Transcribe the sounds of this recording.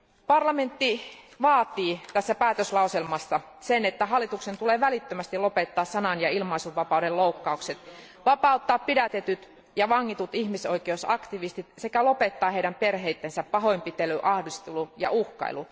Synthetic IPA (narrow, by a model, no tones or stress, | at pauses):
pɑrlɑment̪ːiʋɑːt̪iːt̪æsːæpæːt̪øslɑuselmɑsːɑ | senet̪ːæɦɑlːˑit̪uksent̪uleːʋælit̪ːømæst̪ilopet̪ːɑːssɑnɑnjɑilmɑisuʋːɑpɑudelloukːɑukset̪ | ʋɑpɑˑut̪ːɑːppidæt̪et̪yt̪ | jɑʋɑŋːit̪ut̪ihmisoikeusɑkt̪iʋist̪it̪sekælopet̪ːɑːheiɾæmperheit̪ːensæppɑɦoimpit̪elyʔɑhdist̪elujɑ̰ʔuhkɑ̰ḭlu